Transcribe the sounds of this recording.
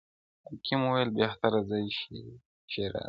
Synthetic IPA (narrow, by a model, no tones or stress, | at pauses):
akʰimuwelbeht̪aɾazajʃi | ʃeɾa̰